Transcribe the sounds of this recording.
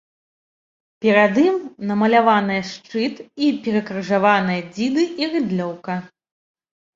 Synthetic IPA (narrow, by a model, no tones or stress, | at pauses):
pʲɛɾad̪imnɐmɐlʲavanɨjɐʂt͡ʂɨt̪ipʲɛɾɐkɾɨʐavanɨjɐd͡zʲid̪ɨirɨd̪lʲɔwkɐ